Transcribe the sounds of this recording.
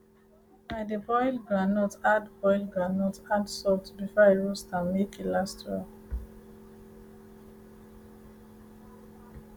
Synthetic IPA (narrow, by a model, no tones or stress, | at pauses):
baɪdəbɔɪjlɡɹanɔtadbɔɪlɡɹanɔtadsɔltbifɔiɹustãnmekilastɹa̰